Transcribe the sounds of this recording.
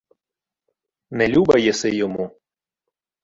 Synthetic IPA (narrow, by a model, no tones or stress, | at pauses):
nɛlʲubɐjɛsɛjɔmu